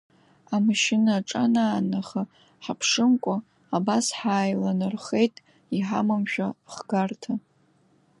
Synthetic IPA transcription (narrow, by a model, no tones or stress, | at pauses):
amʃɪnaʈ͡ʂʼanaːnaχa | ħapʰʂɨmkʷʼʊ | abasħaːjlanɨrχejtʼ | iħa̰mamʃᶣaχɡartʰa